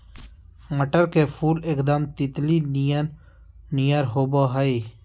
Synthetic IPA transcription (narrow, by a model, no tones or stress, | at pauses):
məʈəɾkeːpʰuːlɪkd̪aːmt̪ɪt̪linijan | nijaɾɦoːbaːɦəi